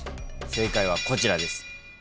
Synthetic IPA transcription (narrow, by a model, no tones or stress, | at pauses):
se̞ːkaiβ̞ako̞t͡ɕiɾad̪e̞sɨ̥